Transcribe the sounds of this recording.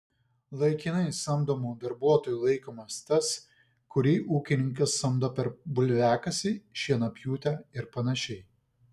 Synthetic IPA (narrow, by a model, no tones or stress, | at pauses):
lˠɐɪkʲɪnɐɪsɐmd̪oːmuːd̪ɐɾbuɔt̪oːjuːlˠɐɪkoːmɐst̪ʲɐs | kʊɾʲiːʔuːkʲɪnʲɪŋʲkɐsːɐmd̪oːpʲɛɾbʊlʲʋʲæːkɐsʲɪʃʲiɛnɐpʲjuːt̪ʲɛɪɾpɐnɐʃʲɛɪ